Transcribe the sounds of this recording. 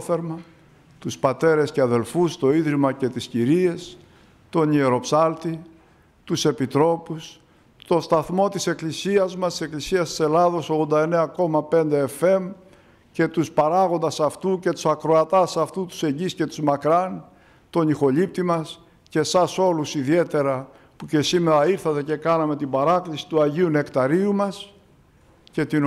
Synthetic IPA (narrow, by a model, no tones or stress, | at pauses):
θeɾmɐ | t̪uspɐt̪e̞ɾe̞sceɐðe̞lfust̪o̞iðɾimɐce̞t̪isciɾie̞s | t̪o̞nie̞ɾo̞psɐlt̪i | t̪use̞pit̪ɾo̞pus | t̪o̞st̪ɐθmo̞t̪ise̞klisiɐzmɐst̪ise̞klisiɐst̪i̥se̞lɐðo̞so̞ɣðo̞nd̪ɐe̞ne̞ɐko̞mɐpe̞nd̪e̞ːfe̞m | ce̞t̪uspɐɾɐɣo̞nd̪ɐsɐft̪uce̞t̪u̥sɐkɾo̞ɐt̪ɐsɐft̪ut̪u̥se̞ɲɟisce̞t̪uzmɐkɾɐn | t̪o̞nixo̞ʎip̚t̪imɐs | ce̞sɐso̞lusiðie̞t̪e̞ɾɐ | puce̞sime̞ɾɐiɾθɐt̪e̞ce̞kɐnɐme̞t̪ibɐɾɐklisi̥t̪uɐʝiune̞kt̪ɐɾiumɐs | ce̞t̪i